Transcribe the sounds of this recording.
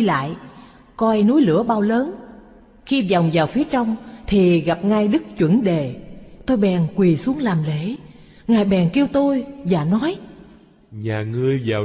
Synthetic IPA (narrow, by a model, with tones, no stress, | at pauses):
la̰ː˧˨j | kɔ˧jnu˨˦jlɨ̰˧˩əɓaː˧wləː˨˦n | xi˧za˨˩wŋ͡mzaː˨˩wfi˨˦ət͡ɕɔ˧wŋ͡mt̪ʰi˨˩ɣa˨˩p̚ŋa˧jɗɨ˦˥k̚t͡ɕwə˧˩nɗe˨˩t̪o˧jɓɛ̰˨˩nkwi˨˩su˨˦əŋlaː˨˩mlḛ˧˥˦ | ŋaː˨˩jɓɛ˨˩nki˧əwt̪o˧jvaː˨˩nɔ˨˦j | ɲaː˨˩ŋɨ˨˧˩əjvaː˨˩